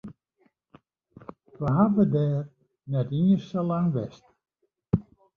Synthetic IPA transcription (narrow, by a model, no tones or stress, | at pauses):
ʋəɦaʋədɛːr | nɛtirsəlaŋʋɛ̰st